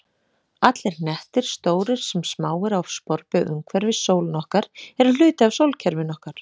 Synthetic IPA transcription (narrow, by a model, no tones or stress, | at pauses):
at̪lɪɾnɛht̪ɪɾ̥st̪oːwɾɪɾ̥sɛmsmaːwɪɾawvspɔɾpɪʔʏ̰ŋkʰvɛɾvɪsoːwlnɔhkaɾɛɾal̥ʏːt̪ɪawsowlcʰɛɾvɪnɔhkaɾ̥